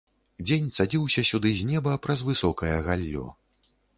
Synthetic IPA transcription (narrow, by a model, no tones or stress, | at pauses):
d͡zʲenʲsad͡zʲiwsʲɐsʲud̪ɨzʲnʲɛbɐpɾɐzvɨsɔkɐjɐɣalʲːɔ̰